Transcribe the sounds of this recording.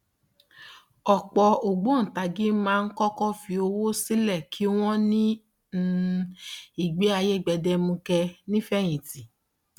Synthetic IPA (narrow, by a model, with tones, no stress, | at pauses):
ɔ˨k͡pɔ˧o˨ɡ͡bo˨˦˨ta˨˧ɡĩ˦mãː˦˧n̩˦kɔ˦kɔ˦fi˧o˧wo˦si˦lɛ˦˨kʰi˨˦w̃ɔ̃˦nĩ˦ | i˦˨ɡ͡be˨˦a˧je˦˨ɡ͡bɛ˧dɛ˧mũ˧kɛ˧nĩ˦fɛ˦˨j̃ĩ˨ti˨